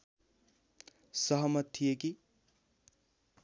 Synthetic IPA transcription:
sʌɦʌmʌt̪ʰːijeki

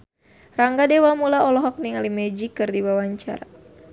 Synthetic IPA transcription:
raŋɡadewamulaɔlɔɦɔk̚niŋalimɛd͡ʒikɨrdiwawaɲt͡ʃa̰ɾa

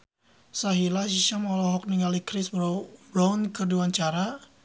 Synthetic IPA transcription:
saɦilaʃiʃamɔlɔɦɔk̚niŋalikɾɪsbɾbɾawnkɨrduaɲt͡ʃaɾa

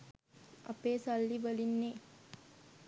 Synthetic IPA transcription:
ɐ̰peːsalːiʋəlinːeː

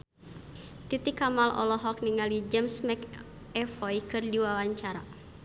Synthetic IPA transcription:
t̪it̪ikamalʔɔ̰lɔɦɔk̚niŋalid͡ʒɛmsmɛk | ɛfɔjkɨrdiwawaɲt͡ʃaɾa

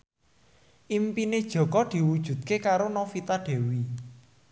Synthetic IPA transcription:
ʔimpined̥ʒ̥ɔ̤kɔd̪̥i̤wud̥ʒ̥ṳt̪̚kekaɾonɔfit̪aɖ̪̥e̤wi

